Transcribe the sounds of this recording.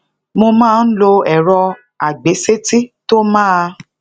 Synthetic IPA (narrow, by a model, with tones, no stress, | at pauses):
mo˧mãː˦˨n̩˦lo˧ɛ˨ɾɔ˧ | a˨ɡ͡be˨˦se˦ti˦to˦mãː˦a˧